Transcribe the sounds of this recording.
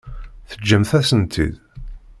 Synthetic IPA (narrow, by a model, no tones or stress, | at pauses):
θəd͡ʒːəmθæsənt̪ʰḭð